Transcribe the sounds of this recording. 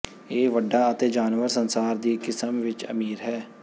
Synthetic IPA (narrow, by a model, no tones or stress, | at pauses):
eːʋəɖːaːət̪eːd͡ʒaːnʋəɾsənsaːɾd̪iːkɪsəmʋɪt͡ʃə̰miːɾɦɛː